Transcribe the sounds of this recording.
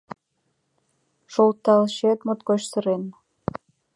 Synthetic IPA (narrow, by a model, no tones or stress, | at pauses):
ʃolt̪ɑlʃet̪mot̪kot͡ɕsəɾen